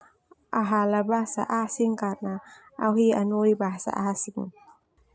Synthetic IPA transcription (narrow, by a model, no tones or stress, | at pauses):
ʔaɦalabasa̰ʔasiŋkat̚naʔawhianojbasa̰ʔasiŋ